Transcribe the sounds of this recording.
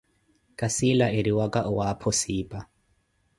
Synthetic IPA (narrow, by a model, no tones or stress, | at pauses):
kʼasilaʔeɾiwakʼaʔʊwapʰɔsiːpʼa